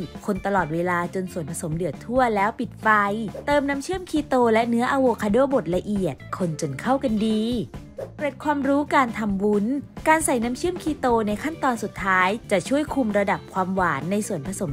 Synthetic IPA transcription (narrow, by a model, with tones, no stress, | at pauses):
kʰo˧nt̪a˧lɔː˨˩t̪̚weː˧laː˧t͡ɕo˧nsu˨˩ənpʰa˧so˩˦mlɯ˨˩ət̪ʰu˥˩ɐlɛː˦˥wpi˨˩t̪̚fa˧jt̪ɤː˧mna˦˥mt͡ɕʰɯ˥˩əmkʰiː˧t̪oː˧lɛ˦˥nɯ˦˥ɐʔaː˧woː˧kʰaː˧doː˥˩bo˨˩t̪̚la˧ʔi˨˩ət̪̚kʰo˧nt͡ɕo˧nkʰa˥˩wka˧ndiː˧pɾa˨˩t̪̚kʰwaː˧mɾuː˦˥kaː˧nt̪ʰa˧mwu˦˥nkaː˧nsa˨˩jna˦˥mt͡ɕʰɯ˥˩əmkʰiː˧t̪oː˧na˧jkʰa˥˩nt̪ɔː˧nsu˨˩t̪ʰːaː˦˥jt͡ɕa˨˩t͡ɕʰu˥˩əjkʰu˧mɾa˧da˨˩p̚kʰwaː˧mwaː˩˦nːa˧jsu˨˩ənpʰa˧so˩˦